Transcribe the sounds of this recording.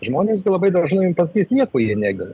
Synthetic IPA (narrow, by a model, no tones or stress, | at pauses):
ʒmoːnʲeːsɡʲɪlˠɐbɐɪd̪ɐʒnɐɪmpɐsɐkʲiːsnʲiɛkoːjiɛnʲæːɡʲɪn